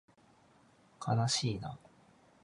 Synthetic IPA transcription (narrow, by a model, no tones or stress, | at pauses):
kʰanaɕiːna̰